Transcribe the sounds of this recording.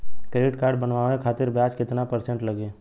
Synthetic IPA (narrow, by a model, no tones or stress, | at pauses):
kɾeɖɪʈkaːɾɖbənʋaːẽkʰaːt̪ɪɾbjaːt͡ʃkɪt̪napəɾsɛ̃ɳʈləɡẽː